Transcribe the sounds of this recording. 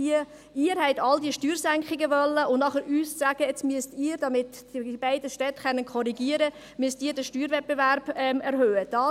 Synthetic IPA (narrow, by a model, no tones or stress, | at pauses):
i | iəɾhɛɪtɑldiəʃtyːɾsæŋkχɪɡəʋœlːəʊnnɑχəɾyːssæːɡ̥əɛt͡smyəstiːɾd̥ɑmɪt | d̥iib̥æɪdəʃtɛtχɛnːənkʰɔɾiɡiəɾə | myəstiːɾdəʃtyːɾvɛt̚b̥evæɾb̥ɛmɛɾhøːəd̥ɑ